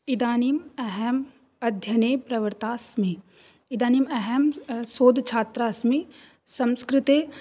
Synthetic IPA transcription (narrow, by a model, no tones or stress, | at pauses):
ɪd̪aːnimɛɦɛm | ɐd̪ʱjɐnepɾɐʋəɾt̪aːsmi | ɪd̪aːnimɛɦɛmsoːd̪ʱt͡ʃʰaːt̪ɾaːsmi | sɐ̃wskɾɪt̪e